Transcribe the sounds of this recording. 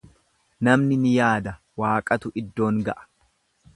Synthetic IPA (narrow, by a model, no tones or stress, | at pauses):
nɐmnɪnɪjaːd̪ɐ | waːkʼɐt̪ʊʔɪd̪ːo̞ːŋɡɐʔɐ̥